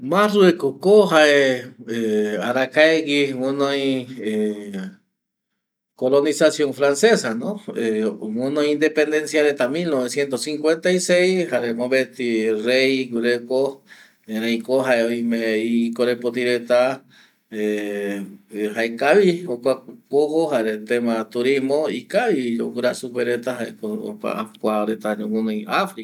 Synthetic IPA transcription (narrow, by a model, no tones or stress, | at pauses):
masruekokoɦaeeaɾakaeɡiwonõjie | kolonisasjoŋfɾansesanõewõnõjind̪epend̪ensjaɾet̪amilnoβesjent̪osiŋkwent̪aisejshaɾemõβet̪irejɡuɾeko | eɾejkoɦaeojmẽikoɾepot̪̬iɾet̪a | e | haekaβiokʷakoɦohaɾet̪emat̪uɾimoikaβiokuɾasupeɾet̪aɦaekoo̰ka̰a̰kʷaɾet̪aomõnõiafɾika